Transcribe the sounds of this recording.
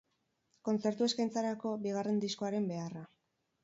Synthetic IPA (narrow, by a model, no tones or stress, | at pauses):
ko̞nt͡se̞ɾt̪ue̞skajnt͡saɾako̞biɣ̞are̞nd̪isko̞aɾe̞mbe̞ara